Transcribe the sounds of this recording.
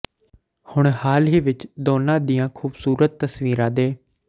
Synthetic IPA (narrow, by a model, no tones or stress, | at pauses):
hʊɳ̃haːlɦiːʋɪt͡ʃd̪oːnãːd̪ijãːkʰuːbsuːɾət̪ːəsʋiːɾãːd̪eː